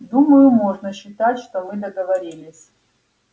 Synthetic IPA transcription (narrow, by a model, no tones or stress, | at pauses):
d̪uməjʊmoʐnəɕːɪt̪atʲʂt̪omɨd̪əɡəvɐɾʲilʲɪsʲ